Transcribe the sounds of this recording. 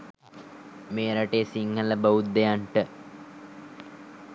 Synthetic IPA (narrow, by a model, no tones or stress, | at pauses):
meːɾaʈeːsiŋhələbəʋut̪̚d̪ejaɳʈə